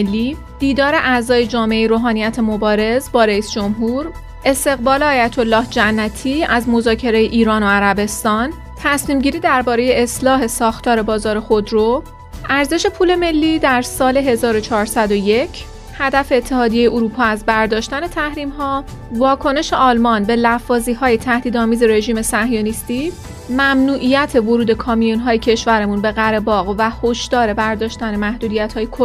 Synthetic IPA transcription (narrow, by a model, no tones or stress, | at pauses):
lːiː | d̪̥iːd̪ɒːɾe̞ʔæzɒːje̞d͡ʒɒːmeʔejɾoːɦɒːnijæt̪ʰemobɒːɾe̞zbɒːɾeiːsd͡ʒomɦuːɾ | e̞st̪e̞ɣbɒːleɒːjæt̪ʰo̞lːɒːhd͡ʒænːæt̪ʰiːæzmo̞zɒːcʰe̞ɾejeʔiːɾɒːno̞æɾæbe̞st̪ɒːn | t̪ʰæsmiːmɟiːɾiːd̪æɾbɒːɾe̞je̞eslɒːɦe̞sɒːxt̪ʰɒːɾe̞bɒːzɒːɾexo̞d̪ɾo | ʔæɾze̞ʃe̞pʰuːle̞me̞lːiːd̪æɾsɒːle̞ɦe̞zɒːɾo̞t͡ʃʰɒːɾsæd̪o̞je̞cʰ | hæd̪æfe̞ːt̪ʰːe̞hɒːd̪ije̞jeʔoɾuːpʰɒːæzbæɾd̪ɒːʃt̪æne̞t̪ʰæhɾiːmɦɒː | vɒːkʰo̞ne̞ʃe̞ʔɒːlmɒnbe̞læfːɒːziːhɒːje̞t̪ʰæhd̪iːd̪ɒːmiːze̞ɾe̞ʒiːme̞sæhjonist̪i | mæmnuːʔijæt̪ʰe̞voɾuːd̪e̞kʰɒːmijonɦɒːjecʰe̞ʃvæɾemunbe̞ɣæɾebɒːɣvæhoʃd̪̥ɒːɾe̞bæɾd̪ɒːʃt̪ænemæhd̪uːd̪ijæt̪hɒːjekʰo